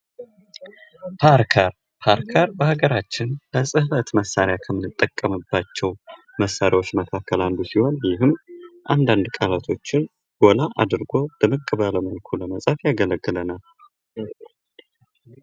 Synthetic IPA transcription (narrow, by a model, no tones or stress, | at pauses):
pʰaɾkʰəɾ | pʰaɾkʰəɾbəhaɡəɾat͡ʃːɪnləsʼɨhfət̪məsːaɾjakʰəmːɨnɨt̪ʼːəkʼːəmɨbːat͡ʃːɛw | məsːaɾiwo̞t͡ʃːməkʰakːəland̪usiho̞njɪɦɨmʔand̪and̪kʼalat̪ʰo̞t͡ʃːɪn | ɡ̥o̞laʔad̪ɨɾɡo̞b̥əmɨkʼːɨβələməlkʰuləməsʼəfjaɡələɡːɨlənal